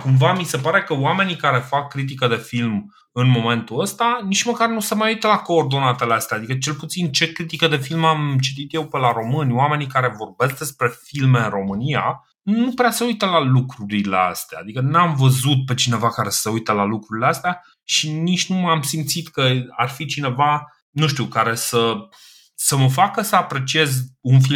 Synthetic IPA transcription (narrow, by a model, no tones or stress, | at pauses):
kumvamise̞paɾe̞kəwame̞nikaɾe̞fakːɾit̪̬ikəd̪e̞film | ɨnmo̞me̞nt̪uəst̪anit͡ʃməkarnuse̞majujt̪əlako̞ːrd̪o̞nat̪eleast̪eaːd̪ikət͡ʃe̞lput̪sint͡ʃe̞kɾit̪ikəd̪e̞filmamt͡ʃit̪it̪je̞wpelaɾo̞mɨnʲwame̞nikaɾe̞vo̞rbe̞sk̚d̪e̞spɾe̞filme̞ɨnro̞mɨnia̰ | nupɾeasəujt̪əlalukɾuɾile̞a̰st̪ea̰ːd̪ikənamvəzut̪̚pe̞t͡ʃine̞vakaɾe̞sə̥seujt̪əlalukɾuɾileast̪ea | ʃinit͡ʃʲnumamsimt̪sit̪kəarfit͡ʃine̞va | nuʃt̪iukaɾe̞sə | səməfakəsəapɾe̞t͡ʃie̞zunfi